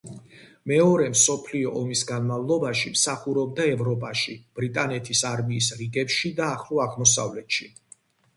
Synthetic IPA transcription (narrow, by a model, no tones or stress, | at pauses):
mɛɔɾɛmsɔpʰliɔʔɔmisɡanmavlˠɔbaʃimsaχuɾɔb̚d̪aɛvɾɔpʼaʃib̥ɾit̪ʼanɛt̪ʰisaɾmiːsɾiɡɛpʃid̪aːχlˠuaʁmɔsa̰vlɛt̪ʃi